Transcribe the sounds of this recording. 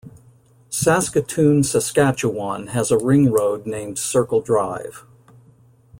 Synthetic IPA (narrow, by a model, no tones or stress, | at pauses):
sæskɨtʰʉ̃nsɨskæt͡ʃəwɑ̃nɨzəɹɪ̃ŋɹoʊdⁿnẽɪ̃md̥sɜ˞kl̩ˠdɹaɪv̥